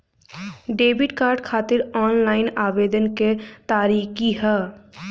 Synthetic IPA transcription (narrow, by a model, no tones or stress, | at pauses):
ɖeːbɪʈkaːɾɖkʰaːt̪ɪɾɔːnlaːɪnaːʋeːd̪ənket̪aːɾiːkiɦɛː